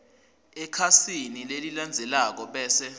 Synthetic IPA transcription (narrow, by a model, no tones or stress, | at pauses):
ɛkʰasinileliland͡zʱɛlak̬ɔɓɛːsɛ